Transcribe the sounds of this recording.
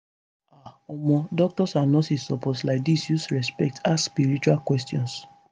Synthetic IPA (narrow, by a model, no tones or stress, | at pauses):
aɔmɔ̃dɔk̚tɔsanɔ̃sisɔpɔtlajk̚disjusɹɛspɛk̚tʰaspiɾit͡ʃualkwɛstiɔ̃ns